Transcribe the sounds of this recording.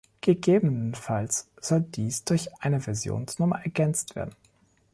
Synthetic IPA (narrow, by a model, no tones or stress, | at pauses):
ɡ̥əɡeːbənənfals | z̥ɔldiːsd̥ʊɐçʔaɪnəvɛɐzjo̰ːnsnʊmɐ̰ʔɛɐɡɛnt͡stv̥ḛːɐdn̩